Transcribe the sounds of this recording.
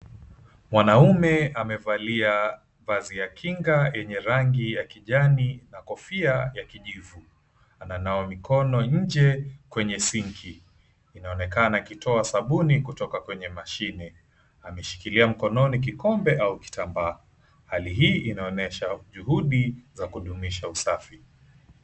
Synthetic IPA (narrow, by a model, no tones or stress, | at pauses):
mwanaumɛamɛvalia | vazijakʰiŋɡajɛɲɛɾaŋɡijakiʄaninakɔfiajakiʄivu | ananaɔmikʰɔnɔɲ̩d͡ʒɛkwɛɲɛsiŋkʰiː | naɔnɛkanakitʰɔasaɓunikutɔkakwɛɲɛmaʃinɛ | amɛʃi̥kiliam̩kɔnɔnik̬ikɔmbɛʔauki̥tambaː | haliɦiːʔinaɔnɛʃaʄuhuɗizakuɗumiʃausafi